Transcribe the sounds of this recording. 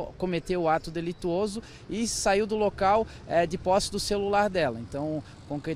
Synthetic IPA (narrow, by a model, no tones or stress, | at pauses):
kõmet̪ewʊat̪ʊd̪elit̪uozʊ | ɪsaiwd̪ʊlokaw | ɛd͡ʒ̪ɪpɔsɪd̪ʊselulaɾd̪ɛlɐḛ̃nt̪ɐ̃w̃ | kõkɾe